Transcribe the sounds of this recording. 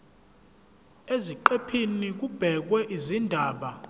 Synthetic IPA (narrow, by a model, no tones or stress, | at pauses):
eziǃepʰinik̬ub̥ʱɛk̬wɛʔizindʱaːɓa